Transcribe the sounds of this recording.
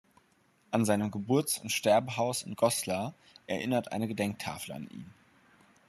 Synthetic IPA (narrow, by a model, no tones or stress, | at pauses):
ʔanzaɪnəmɡəbʊɐt͡sʊntʃtɛɐbəɦaʊsɪnɡɔsla | ʔɛɐʔɪnɐtʔa̰ɪnəɡədɛŋk̚tʰa̰ːfl̩a̰nʔḭːm